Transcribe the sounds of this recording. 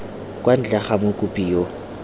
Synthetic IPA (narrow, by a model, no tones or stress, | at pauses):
kʼwan̩t͡ɬaχamʊkʼʊpʼiːjo